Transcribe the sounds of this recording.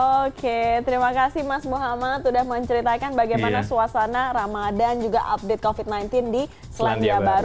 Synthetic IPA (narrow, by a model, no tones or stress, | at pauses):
oket̪əɾimakasɪhmasmuɦamat̪udahməɲt͡ʃəɾit̪akanbaɡajmanasuasanaɾamadand͡ʒuɡa̰ʔa̰p̚det̪̚kofit̪̚najnt̪ɪndi | səlaniabaɾ